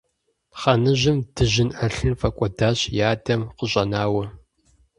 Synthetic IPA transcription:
χɐnɨʑɪmd̥ɨʑɪnʔɐɬɨnfɐkʷʼɔdaːɕjaːdɐmqəʑʼɐnaːwɐ

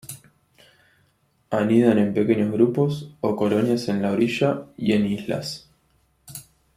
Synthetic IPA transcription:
aniðane̞mpe̞ke̞ɲozɣɾupo̞soko̞lo̞njase̞nlaoɾiʃaje̞nisla̰s

